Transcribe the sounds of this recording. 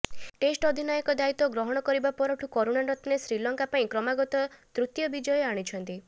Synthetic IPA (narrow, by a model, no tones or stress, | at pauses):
ʈesʈɔd̪ʱinajɔkɔd̪ait̪ɔɡɾɔɦɔɽ̃ɔkɔɾibapɔɾɔʈʰukɔɾuɽanɾɔt̪nesɾilɔŋkapaĩkɾɔmaɡɔt̪ɔt̪ɾut̪jɔbid͡ʒɔjɔaɽ̃it͡ʃʰɔnt̪i